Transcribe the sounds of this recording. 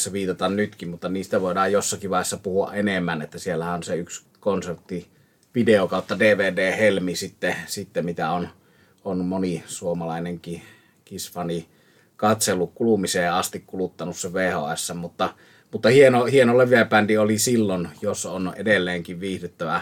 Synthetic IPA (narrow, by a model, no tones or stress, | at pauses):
sːeʋiːt̪ɑt̪ɑnnyt̪kimmut̪ːɑniːst̪æʋoˑedɑːjjosːɑkiʋʋɑˑeesːɑpuhuɑ̰ʔʔenemːænet̪ːæsielːæhæʔonseyks | konsert̪ːi | ʋideokɑˑot̪ːɑdeːʋeːdeːhelmisit̪ːesit̪ːemit̪æon | onmonisuomɑlɑˑeneŋki | kisfɑni | kɑt̪selːukkulumiseːɑst̪ikkulut̪ːɑnusːeʋeːho̰æsːæmmut̪ːɑ | mut̪ːɑhienohienoleʋˑiæpændiolisilːonjosonḛdelːeːŋkiʋʋiːhdyt̪ːæʋæ